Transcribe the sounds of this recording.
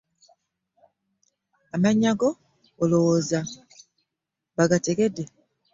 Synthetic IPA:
amaɲaɡoː | lowoza | βaɡate̞ɡe̞dːe

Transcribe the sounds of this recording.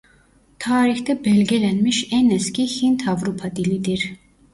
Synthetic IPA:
t̪ʰaːɾixt̪ʰɛbɛlɡɛlɛnmiʃɛnɛskihint̪ʰavɾupʰad̪ilid̪iɾ

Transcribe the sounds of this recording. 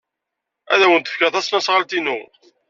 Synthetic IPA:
æ̰ðæwənt̪ə̥fkæθæsnæsʁəlt̪inu

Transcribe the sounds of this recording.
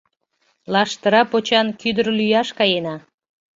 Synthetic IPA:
lɑʃt̪əɾɑpot͡ɕɑnkyd̪ərlyjɑʃkɑjenɑ

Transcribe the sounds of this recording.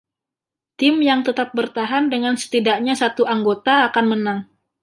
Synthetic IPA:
t̪ɪmjaŋt̪ət̪ap̚bərt̪aɦandəŋansə̥t̪idaʔɲasat̪uaŋɡot̪aːkanmənaŋ

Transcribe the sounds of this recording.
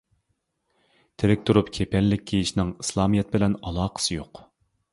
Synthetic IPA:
t̪ʰeɾɪk̚ʲt̪ʰuɾupkʲʰepʰɛlːɪkʲkʰʲːejiʃnɪŋislˠɑːmijɛt̪̚bɪlɛnɑlˠɑːqʰə̥sɨjoq

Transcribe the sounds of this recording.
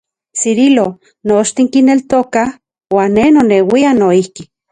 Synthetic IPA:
siɾilo | noʃt̪iŋkinelt̪oka | waːnːenonewianoihki

